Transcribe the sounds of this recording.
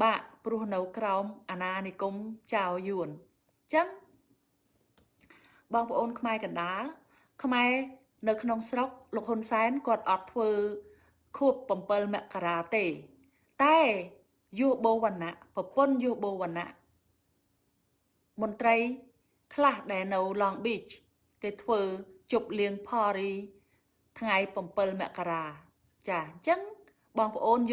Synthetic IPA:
ɓaːʔprʊ̆əhnɨwkraɔmʔaːnaːniəkumt͡ɕaɔjuən | t͡ɕəŋ | ɓɑːŋpʰə̆ʔoːnkʰmaɛkɑnɗaːl | kʰmaɛ | nɨwkʰnoŋsrok̚loːk̚honsaɛnkŏət̪̚ʔɑt̪ʰːʋəː | kʰuəpːɑmpɨlmɛ̆əʔkaɾaːt̪eː | t̪aɛ | jʊ̆əhɓoːʋanaʔpɑponjʊ̆əhɓoːʋana̰ʔ | moənt̪rəj | kʰlahɗaɛlnɨwlɑːŋɓiːt͡ɕ | keːt̪ʰʋəːt͡ɕup̚liəŋpʰɑːɾiː | t̪ʰŋajpɑmpɨlmɛ̆əʔkaɾaː | t͡ɕaːɲt͡ɕəŋ | ɓɑːŋpə̆ʔoːn

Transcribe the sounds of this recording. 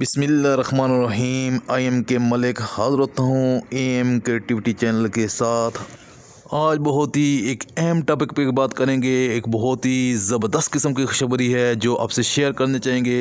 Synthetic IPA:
bɪsmɪlːaɾɐxmaːnɾɐɦiːmaːiemkemɐlɪkhaːzəɾɦoːt̪aɦũeːɛmkɾeːkʈɪʋɪʈit͡ʃɛːnəlkesaːt̪ʰ | aːd͡ʒbɐɦʊt̪ɦieːkɛɦmʈaːpɪkpebaːt̪kɐɾẽːŋɡeeːkbɔɦʊt̪ɦizɐbəɾd̪əst̪̚kɪsəmkixʃɐbɾiɦɛd͡ʒoːʔa̰ːbseʃeːəɾkɐɾnet͡ʃaːɦẽːŋɡeː

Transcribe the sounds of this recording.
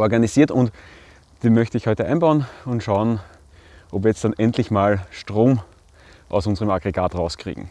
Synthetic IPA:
ʔɔɐɡanisiːɐtʊnt | d̥eːnmœçtəɪçhɔʏtəʔãɪnbaʊnʊntʃaʊən | ʔopviːɐjɛt͡std̥anʔɛntʰlɪçmaːlʃtʁoːm | ʔa̰ʊsʊnzəʁəmaɡʁeɡaːtʁaʊskʁ̥ḭːɡŋ̩

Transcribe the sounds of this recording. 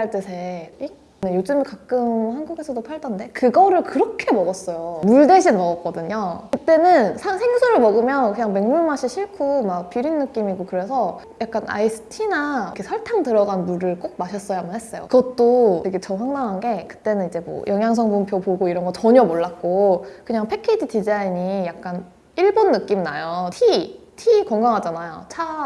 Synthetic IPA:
aɭt͈esʰeik̚ | nɯnjod͡ʑɯmikak͈ɯmhanɡuɡe̞sʰʌdopʰaɭdʌnde̞kɯɡʌɾɯɭkɯɾʌkʰe̞mʌɡʌs͈ʌjomuɭdeɕʰinmʌɡʌk͈ʌdɯɲokɯt͈e̞nɯnsʰasʰe̞ŋsʰuɾɯɭmʌɡɯmjʌnkɯɲaŋme̞ŋɲuɭmaɕʰiɕʰiɭkʰumak̚piɾinːɯk͈imiɡokɯɾe̞sʰʌ | jak͈̚anʔa̰isʰɯ̥tʰinakʰesʰaɭtʰaŋtɯɾʌɡanmuɾɯɭk͈ok̚maɕʰʌs͈ʌjamʌnɦes͈ʌjo̰kɯɡʌt͈̚oteɡe̞t͡ɕʌɸwaŋdaŋɦanɡe̞kɯ̥t͈e̞nɯnid͡ʑe̞mʌ̰jʔʌŋjaŋs̬ʰʌŋbumpʰjopoɡoiɾʌnɡʌt͡ɕʌɲʌmoɭːak̚k͈okɯɲaŋpʰe̞kʰed͡ʑidid͡ʑaiɲijak̚k͈an | iɭbonːɯk͈imna̰jotʰi | tʰikʌŋɡaŋɦad͡ʑanajo̰t͡ɕʰa

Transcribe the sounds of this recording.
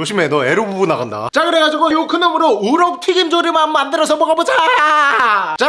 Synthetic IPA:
oɕʰimenʌeɾububunaɣanda̰t͡ɕaɡɯɾe̞ɡad͡ʑiɡojokʰɯnʌmɯɾouɾʌp̚tʰwiɡind͡ʑoɾimammandɯɾʌsʰʌmʌɡabot͡ɕaaajat͡ɕa

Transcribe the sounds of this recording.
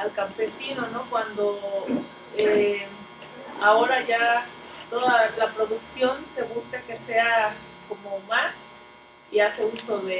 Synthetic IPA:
alkampe̞sino̞no̞kwand̪o̞ | e | ao̞ɾaʝa | t̪o̞ðalapɾo̞ðuksjo̞nse̞βuskeke̞se̞a | ko̞mo̞mas | iase̞uso̞ðe̞

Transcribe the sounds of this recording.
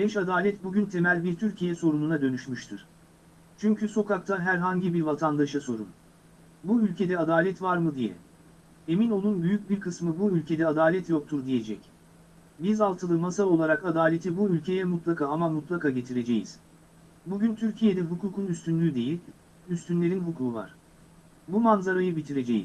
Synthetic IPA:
bɛʃad̪aːlʲɛt̪buɟʲynt̪ʰe̞mælʲbiɾt̪ʰyɾcʰijɛso̞ɾununad̪ø̞nyʃmyʃt̪ʰɯɾ̥ | t͡ʃʰyɲcʰyso̞kʰak̚t̪ʰaɦæɾɦaɲɟibiɾvat̪ʰand̪aʃaso̞ɾṵn | buylʲcʰe̞d̪ɛad̪aːlʲɛt̪vaɾmɯd̪ijɛ̰ | e̞mino̞nunbyjyc̚biɾkʰɯsmɯbuylʲcʰe̞d̪ɛad̪aːlʲɛt̪jo̞k̚t̪ʰuɾd̪ije̞d͡ʒɛc | bizalˠt̪ʰɯlˠɯmasao̞lˠaɾakad̪aːlʲe̞t̪ʰibuylʲcʰe̞jɛmut̪lˠakʰaːamamut̪lˠakaːɟe̞t̪ʰiɾe̞d͡ʒe̞̰jḭz̥ | buɟynt̪ʰyɾcʰije̞d̪ɛɦukʰuːkʰunyst̪ʰynlʲyːd̪e̞jilʲ | yst̪ʰynlʲe̞ɾinɦukʰuːva̰ɾ̥ | bumanzaɾajɯbit̪ʰiɾe̞d͡ʒe̞jḭz̥

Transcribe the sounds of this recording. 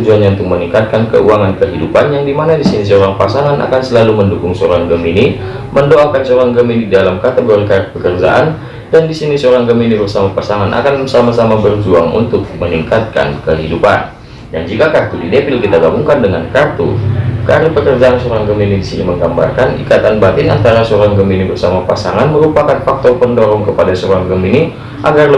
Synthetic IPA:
d͡ʒuanjaunt̪ʊk̚məniŋkat̪̚kankə̰uaŋankəɦidupanjaŋdimanadisinisəoɾaŋpasaŋanʔa̰kansəlaluməndukʊŋsoɾaŋɡəmini | məndoakansoɾaŋɡəminididalamkat̪eɡoɾikaɾət̪̚pəkərd͡ʒa̰ʔan | dandisinisəoɾaŋɡəminibərsamapasananʔa̰kansamasamabərd͡ʒuaŋṵnt̪ʊk̚məniŋkat̪̚ka̰nkəɦidupa̰n | dand͡ʒikakart̪udidepɪlkit̪aɡabuŋkandəŋa̰nkart̪ṵkaɾpəkərd͡ʒaansoɾaŋɡəminidisiniməŋɡamba̰rkanḭkat̪anbat̪ɪna̰nt̪aɾasoɾaŋɡəminibərsamapasaŋanməɾupakanfak̚t̪ɔrpəndoɾɔŋkəpadasoɾaŋɡəmini | ʔaɡarlə

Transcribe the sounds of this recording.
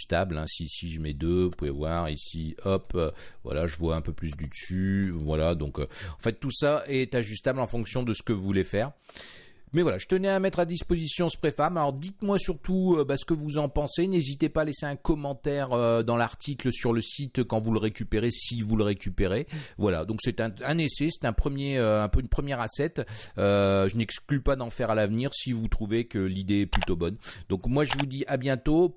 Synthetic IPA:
st̪ablɛ̰̃sisiʒəmɛd̪øpuɛ̰vwaʁisiɔpøvwa̰laʒəvwaɛ̃pøplys̬d̪ysyvwalad̪ɔ̃kø̰ɑ̃fɛt̪ːusaɛt̪aʒyst̪ablɑ̃fɔ̃ksjɔ̃d̪əsə̥kəvulɛfɛːʁ | mɛvwalaʒə̥t̪ənɛamɛt̪χad̪ispozisjɔ̃sə̥pχefamalɔʁd̪it̪mwasyʁt̪uøbasə̥kəvuzɑ̃pɑ̃senezit̪epaːleseɛ̃kɔmɑ̃t̪ɛʁød̪ɑ̃laʁt̪ʰikləsyʁləsit̪kɑ̃vuləʁekʲypeʁesivuləʁekʲypeʁevwala̰d̪ɔ̃ksɛt̪ɛ̃ɛ̃nesɛsɛ̥t̪ɛ̃pχəmjeøɛ̃pøynpχəmjɛʁasɛt̪øʒənɛksklypad̪ɑ̃fɛʁalavniʁsivut̪χuvekəlid̪eɛplyt̪obɔnd̪ɔ̃kmwaʒəvud̪iʔabjɛ̃t̪o

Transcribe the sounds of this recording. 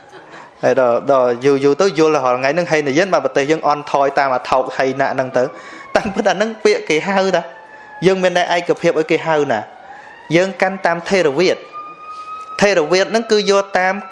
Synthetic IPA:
hajɗɑɗɑːjuːjuːt̪əwjʊ̆ələɦɑlŋajnɨŋɦanəjəənɓaːnpɑt̪eːhjəːŋʔɑnt̪ʰɑːjt̪aːmʔaːt̪ʰoːk̚həjna̰ʔnɨŋt̪ɨw | t̪aːmpɨt̪̚hanɨŋpiəʔkeːɦawɗa | jəːŋmiənːɛəʔaɛkːapʰiəp̚ʔaɔjkeːɦawnaː | jəːŋkant̪aːmt̪ʰeːɾɔʋiət̪̚ | eːɾɔʋiət̪̚nɨŋkɨːjʊəlt̪aːm

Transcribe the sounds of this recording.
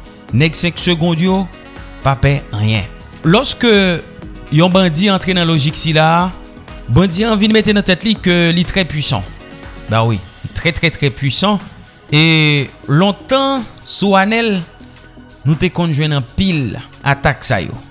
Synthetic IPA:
nɛɡsɛ̃ksøɡɔ̃d̪jo | papɛə̃jɛ̰̃ | lɔskø | jɔ̃bɐ̃diɑ̃t̪ʁenɐ̃loʒiksila | bɐ̃d͡ziãvinmet̪enɐ̃t̪ɛt̪likølit̪ʁɛpɥisɑ̰̃bawḭlit̪ʁɛt̪ʁɛt̪ʁɛpɥisɑ̃ | elɔ̃t̪ɑ̃suanɛl | nũt̪ekɔ̃nʒwɛ̃nɐ̃pila̰t̪aksa̰jo̰

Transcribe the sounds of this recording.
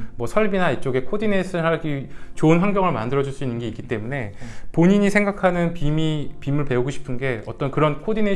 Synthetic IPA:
mwʌsʰʌɭbinaet͡ɕ͈oɡe̞kʰodinesʰɯɦaɭɡit͡ɕoɯnɸaŋɡjʌŋɯɭmandɯɾʌd͡ʑuɭs͈uinːɯnɡe̞ik͈it͈e̞mune̞poɲiɲisʰeŋɡakʰanɯnpimipimɯɭpe̞uɡoɕʰi̥pʰɯnɡe̞ʌt͈ʌnkɯɾʌnkʰodine

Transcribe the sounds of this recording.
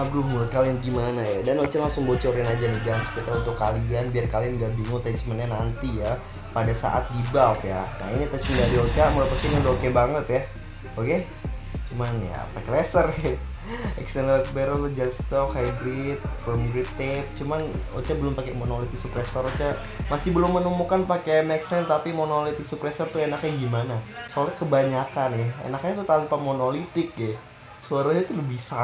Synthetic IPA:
abɾʊhmulʊt̪̚kalianɡimanajadanot͡ʃalaŋsʊŋbot͡ʃɔɾanad͡ʒaniɡaŋnsə̥kit̪aunt̪ʊkːalianbiarkalianɡaʔbiŋʊt̪at͡ʃmanɲanant̪ija | padasa̰ʔa̰t̪̚dibapjana̰init̪at͡ʃməndadiot͡ʃamulapasiɲaɾokɛbaŋət̪ja | oke | t͡ʃumanja̰pakɛlesər | ɛ̰ksɛnlɛlɛt̪̚beɾəlʊd͡ʒast̪ɔkhajbɾit̪̚fɔmɡɾit̪ɛp̚t͡ʃumano̰t͡ʃabəlʊmpakɛmonolit̪ɪk̚sukɾesɔɾot͡ʃa | masɪhbəlʊmːənumukanpakemɛksɛnt̪apimonolit̪ɪk̚sukɾesərt̪uenak̚ɲaɡimanasolɛkəbaɲakanaḛnakɲat̪ut̪anpamonolit̪ɪk̚ɛ | suaɾaɲat̪ulubisa

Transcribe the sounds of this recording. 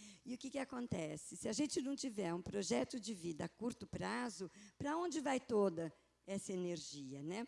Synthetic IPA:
ɪʊkɪkɪakõnt̪ɛsɪsɪɐʒẽnt͡ʃɪnɐ̃w̃t͡ʃivɛɾũpɾoʒɛt̪ʊd͡ʒɪvid̪ɐakuɾt̪ʊpɾazʊpɾɐõnd͡ʒɪvajt̪od̪ɐ | ɛsɐeneɾʒiɐnɛ

